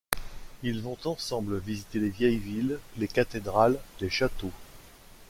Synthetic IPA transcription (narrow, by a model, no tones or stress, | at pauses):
ilvɔ̃t̪ɑ̃sɑ̃bləvizit̪elevjɛjvilːekat̪ed̪ʁald̪eʃat̪o